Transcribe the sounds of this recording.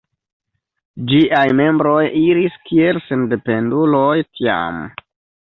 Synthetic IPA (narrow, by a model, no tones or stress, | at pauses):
d͡ʒiʔajme̞mbɾo̞jiɾiskie̞lsende̞pe̞ndulo̞jtʰia̰m